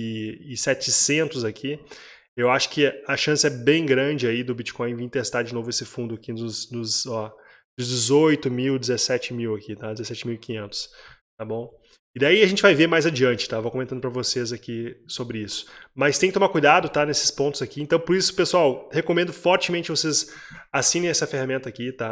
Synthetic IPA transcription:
ɪɪsɛt͡ʃɪsẽnt̪ʊzakʰi | ewaʃʊ̥kɪɐʃɐ̃sɪɛbẽj̃ɡɾɐ̃d͡ʒɪaid̪ʊbit͡ʃi̥kõj̃ĩt̪est̪aɾd͡ʒɪnovʊesɪfũnd̪ʊakinʊznʊzɔ | d̪zd͡ʒɪzojt̪ʊmiwd͡ʒɪzesɛt͡ʃɪmiwakit̪ad͡ʒɪzesɛt͡ʃɪmiwɪkĩɲẽnt̪ʊ̥s | t̪abõw̃ | ɪd̪aiɐʒẽnt͡ʃɪvajveɾmajzad͡ʒiɐ̃nt͡ʃɪt̪avokomẽt̪ɐ̃d̪ʊpɾɐvosezakisobɾɪisʊ̥mɐst̪ẽkɪt̪omaɾkujd̪ad̪ʊt̪anesɪ̥spõt̪ʊzakiẽnt̪ɐ̃w̃poɾisʊpesuawhekomẽnd̪ʊfɔɾt͡ʃɪmẽnt͡ʃɪkɪvosez | asĩnẽj̃ɛsɐfehamẽnt̪ɐakit̪a

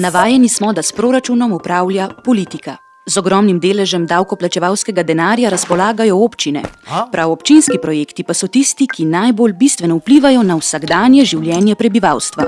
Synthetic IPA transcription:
naʋaːjɛnismɔd̪aspɾoːɾat͡ʃunɔmupɾaːwlʲjapɔliːt̪ika | zɔɡɾɔmnimd̪eːlɛʒɛmd̪awkɔplat͡ʃɛʋawskɛɡad̪ɛnaːɾjaɾaspɔlaːɡajɔoːpt͡ʃinɛ̰pɾʔawɔpt͡ʃinskipɾɔjeːkt̪ipasɔt̪ist̪ikinajbolbist̪ʋɛnɔupliːʋajɔnawsaɡd̪aːnjɛʒiwljɛːnjɛpɾɛbiʋawst̪ʋa

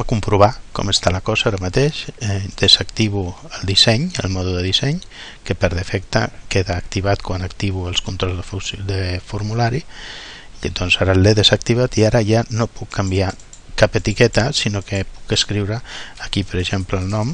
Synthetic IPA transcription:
kumpɾuβ̞akɔ̰məst̪aləkɔzaaɾəmat̪eʃɛd̪̥əzakt̪iβuəlˠd̪isɛɲə̰lˠmɔðuðəðisɛɲ | kəpəɾðəfɛkt̪ə̰keðaːkt̪iβat̪kwanək̚t̪iβuəlˠskunt̪ɾɔlzðəfusd̪əfuɾmulaɾi | d̪ɔnzaɾəleðəzək̚t̪iβat̪iaɾəʒanopukʰːambia | kapət̪ikɛt̪əsinokəpukəskɾiwɾəːkipəɾəʒempləːlˠnɔm

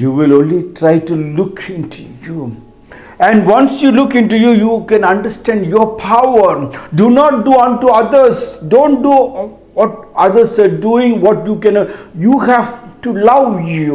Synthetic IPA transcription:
juʋilõːnlitʰɾaɪʈulʊkʰɪ̃ntʰuju | ɛ̃nwãnsjulʊkɪ̃nʈujujukɛ̃nãnɖəstɛ̃nɖjɔpʰawədunɔʈ̚duɔ̃nʈuad̪əsdõːn̚du | wɔt̚ad̪əsaduɪ̃ŋwɔtjukɛ̃njuɦævtulawju

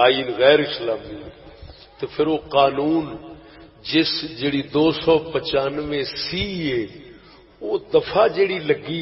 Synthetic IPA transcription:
aːiːnɣɛːɾɪslaːmi | t̪epʰɪɾoːqaːnuːn | d͡ʒɪsd͡ʒeːɽid̪oːsɔːpət͡ʃaːnʋẽsiːɦeː | oːd̪ɐfʰaːd͡ʒeːɽiːlɐɡiː

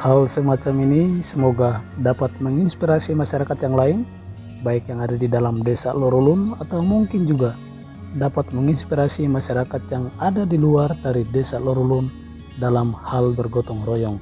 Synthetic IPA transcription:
halsəmat͡ʃaminisəmɔɡadapat̪̚məŋinspiɾasimaʃaɾakat̪jaŋlain | baikjaŋadadidalamdɛsalɔɾulʊnat̪awmuŋkɪnd͡ʒuɡa | dapat̪̚məŋinspiɾasimaʃaɾakat̪̚jaŋadadiluardaɾidɛsalɔɾulʊn | dalamhalbərɡɔt̪ɔŋrɔjɔŋ

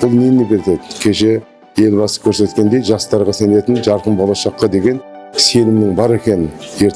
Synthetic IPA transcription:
b̥ʊlˠnenːebʲe̞ɾt̪ed̪ɪkʲʰe̞ʃe̞ | je̞lbɑsə̥kʲʰɵɾse̞t̪kʲe̞nd̪e̞jʒɑst̪ɑɾʁɑsæne̞t̪ɪnʒɑɾqəmbo̞lˠɑʃɑqːɑd̪e̞ɡʲe̞nse̞lɪmnɪŋbɑɾe̞kʲe̞nɪnje̞ɾ

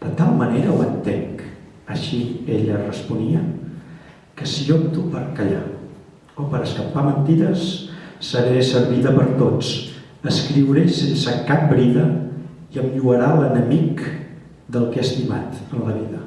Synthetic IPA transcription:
d̪̥ət̪alˠməneɾəuənt̪eŋk | əʃieʎərəspuniə | kəsiopt̪upəɾkəʎa̰ | opəɾəskəpamənt̪iɾəsːəɾesəɾβiðəpəɾt̪ot͡s | əskɾiwɾesensəkap̚bɾiðə | iəmʎuəɾalənəmik | d̪əlˠkeəst̪ima̰t̪ənləβ̞iðə

